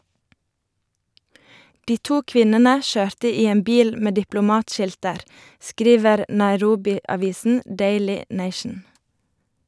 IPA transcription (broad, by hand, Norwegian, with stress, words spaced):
ˈdiː ˈtuː ˈkʋɪnənə ˈʃøːɾtə ˈiː ˈeːm ˈbiːl ˈmeː dɪplʊˈmɑːtˌʃɪltəɾ ˈskɾiːʋəɾ nɑɪˈɾuːbɪɑˌʋiːsn̩ ˈdeɪlɪ ˈneɪʃn̩